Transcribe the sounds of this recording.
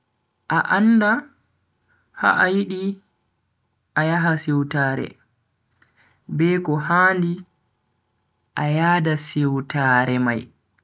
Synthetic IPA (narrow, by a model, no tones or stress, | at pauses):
ʔaʔanda | ha̰ʔːjiɗi | ʔajaɦasɛwtaːɾɛ̰ | bɛːkɔɦaːli | ʔajaːdasɛwtaːɾɛmaj